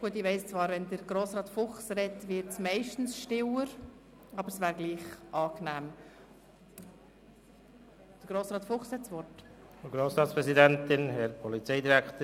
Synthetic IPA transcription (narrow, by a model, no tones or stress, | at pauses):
ɡ̥uət̪ɪʋɛɪst͡svɑːɾvɛndəɾɡ̥ɾoːsɾɑːtfʊχsrɛtʋɪɾtsmɛɪʃtn̩sʃtɪwəɾ | ɑbəɾsʋæːɾɡliːχʔɑːknæːm | d̥əɾɡ̥ɾoːsɾɑːt̪fʊχshɛtsʋɔt | ɡɾoːsɾɑːtt͡sspɾɛzidɛntɪnhɛɾpʰɔlit͡seɪdiɾækt̪